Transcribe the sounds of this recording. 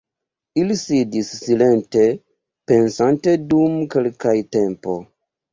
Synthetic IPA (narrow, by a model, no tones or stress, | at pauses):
ilisidisːile̞nte̞ | pe̞nsante̞dumkelkajte̞mpo̞̰